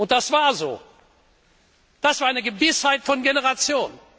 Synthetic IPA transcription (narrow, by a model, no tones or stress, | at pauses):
ʔʊnt̚d̥asv̥aːɐzo̰ː | d̥asv̥aːɐʔaɪnəɡəvɪshaɪtfɔnɡenəʁat͡sjoːn